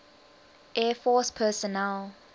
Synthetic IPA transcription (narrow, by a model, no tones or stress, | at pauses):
ʔɛfɔspʰɛsɔnɛl